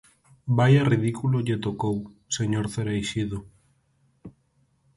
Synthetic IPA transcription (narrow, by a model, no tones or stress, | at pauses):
bajarið̞ikuloʎet̪okow | seɲoɾθeɾejʃiðo